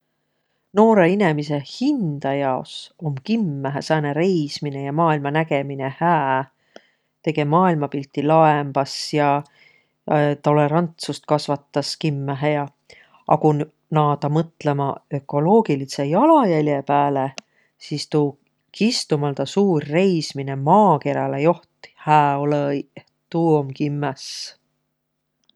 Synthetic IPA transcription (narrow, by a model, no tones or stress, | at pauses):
no̞ːɾe̞inemise̞hind̪̥ɑjɑoso̞mkimːæɦesæːneɾe̞jsmine̞jɑmɑːilmɑnæɡe̞mine̞hæː | t̪e̞ɡ̥e̞mɑːilmɑpilt̪ːˑilɑemb̥ɑsjɑ | t̪o̞le̞ɾɑnt̪sust̪̚kɑsvɑt̪ːɑskimːæɦejɑ | ɑ̰kun | nɑːt̪ɑmɤt̪ˑle̞mɑø̞kːˑo̞lo̞ːɡ̥ilisejɑlɑjælʲjepæːle | sist̪uː | kist̪umɑlt̪ɑsuːrːe̞jsmine̞mɑːke̞ɾɑlejo̞ht̪ˑi̥hæːo̞lej | t̪uːomkimːes